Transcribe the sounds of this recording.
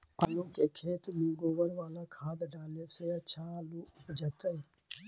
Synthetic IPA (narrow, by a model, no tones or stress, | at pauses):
əlũːkeːkʰeːt̪mĩːɡoːʋəɽʋaːlãkʰaːbɖaːleːseɐt͡ʃʰãːlũːʊpd͡ʒət̪əiː